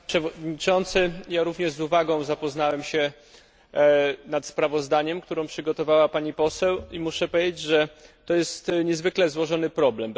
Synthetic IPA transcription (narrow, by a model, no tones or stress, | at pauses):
pʂɛvɔd̪ɲit͡ʂɔnt̪sɘjaɾuvɲɛʐzuvaɡɔ̃w̃zapɔznawɛmɕɛ | nat̪spɾavɔzd̪aɲɛmkt̪uɾɔ̃w̃pʂɘɡɔt̪ɔvawapaɲipɔsɛwimuʂɛpɔjʲed͡ʑed͡ʑʐɛt̪ɔjɛst̪ɲɛzvɘklɛzwɔʐɔnɘpɾɔblɛm